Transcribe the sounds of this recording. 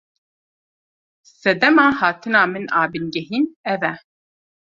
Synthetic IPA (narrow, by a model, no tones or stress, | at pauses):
sɛd̪ɛmaːhaːt̪ʰɨnaːmɨnaːbɨnɡɛɦiːnɛvɛ